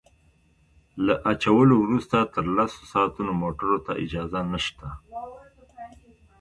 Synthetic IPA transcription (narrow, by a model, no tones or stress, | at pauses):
laʔat͡ʃawəlowɾust̪at̪əɾlaso̥sɑːt̪unomoʈəɾot̪aʔɪd͡ʒɑzanəʃt̪a